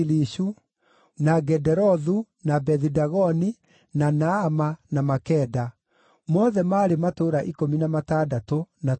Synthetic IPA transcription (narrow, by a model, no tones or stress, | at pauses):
liʃu | naɡɛdɛɾɔðu | nabɛðidaɣɔni | nanaːmanamakɛda | mɔðɛmaːɾematoːɾaʔikominamataːdatona